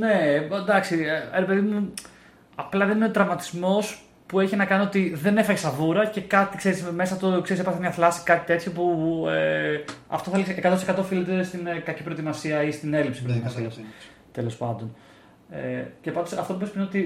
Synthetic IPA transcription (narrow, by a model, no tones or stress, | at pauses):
ne̞d̪ɐksiɾe̞pe̞ðimu | ɐplɐðeninot̪ɾɐmɐt̪izmo̞s | pue̞çinɐkɐnio̞t̪iðe̞ne̞fɐɣesɐvuɾɐce̞kɐt̪ikse̞ɾisme̞sɐt̪okseisepɐɾθemɲɐθlɐsi̥kɐt̪it̪e̞t̪çopueɐ̰ft̪oθelsekɐt̪ont̪sekɐt̪o̞filit̪est̪inkɐcipɾo̞t̪imɐsiɐist̪ine̞lipsipɾot̪imɐsiɐ | t̪elo̞spɐnd̪o̞n | ḛcepɐnd̪osɐft̪omupespɾino̞t̪i